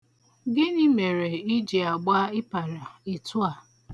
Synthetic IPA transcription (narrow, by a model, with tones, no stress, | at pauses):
ɡɪ˦ni˦me˨ɾe˨i˦d͡ʒi˨a˨ɡ͡ba˦ɪ˦pa˨ɾa˨i˨tʊ˦a˨